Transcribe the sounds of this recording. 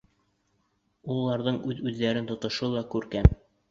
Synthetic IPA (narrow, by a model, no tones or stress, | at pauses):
ulˠːɑɾðɤɴʉðʉðːæɾɘnt̪ŏt̪ŏʃɤlˠɑkʉɾkæn